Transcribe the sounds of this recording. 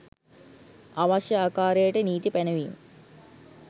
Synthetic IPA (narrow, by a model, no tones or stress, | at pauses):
aʋaʃjəaːkaːɾejəʈəniːt̪ipænəʋim